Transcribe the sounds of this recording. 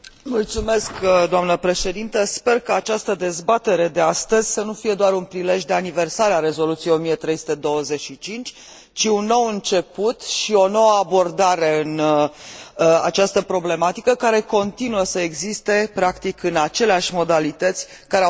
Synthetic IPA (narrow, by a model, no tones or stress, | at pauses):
mult̪sume̞skd̪oamnəpɾe̞ʃe̞d̪int̪əspe̞rkəat͡ʃast̪əd̪e̞zbat̪e̞ɾe̞d̪e̞ast̪əzʲsənufije̞d̪oaɾunpɾile̞ʒd̪e̞anive̞rsaɾeaɾe̞zo̞lut̪sijeo̞mijet̪ɾe̞jsu̥t̪e̞d̪o̞wəze̞ʃit͡ʃint͡ʃʲ | t͡ʃiunːo̞wɨnt͡ʃe̞put̪ʃio̞no̞wəabo̞rd̪aɾe̞ɨn | a̰t͡ʃast̪əpɾo̞ble̞mat̪ikəkaɾe̞ko̞nt̪inuəsəeɡzist̪e̞pɾakt̪ikɨnat͡ʃe̞leaʃʲmo̞d̪alit̪ət̪sʲ | kaɾe